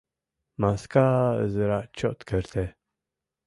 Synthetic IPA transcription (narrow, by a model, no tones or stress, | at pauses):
maskaə̰zəɾaʔt͡ʃɔt̪kəɾt̪ʰe